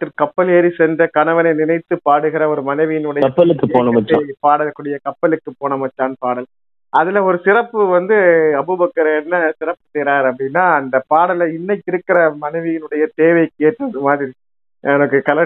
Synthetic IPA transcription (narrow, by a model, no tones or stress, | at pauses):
ʈːɪlkɐpːɐleːɾisɛndrɐkɐɳɐʋɐnɐɪnɪnɐɪt̪ːɯpaːɽɯɣɪɾɐɔɾɯmɐnɐɪʋɪjɪnɯɽɐjɐpːɐlɯkːɯoːnɐmɐt͡ʃːa̰paːɽɐlkːuːɽɪjɐkɐpːɐlɯkːɯpoːnɐmɐt͡ʃːaːnpaːɽɐl | ɐðɪlɐɔɾɯsɪrɐpːɯʋɐnd̪ɯɐbɯbɐkːɐɾɐɛnːɐsɪɾɐpːɯ̥t̪ɛːɾaːɾɐpːɐɽɪnːaːɐnd̪ɐpaːɽɐlɐɪnːɐkːɪɾɯkːɪɾɐmɐnɐɪʋɪjɪnɯɽɐjɐt̪eːʋɐɪkeːʈrɐðɯmaːðɪɾi | ɛnɐkːɯkɐlɐ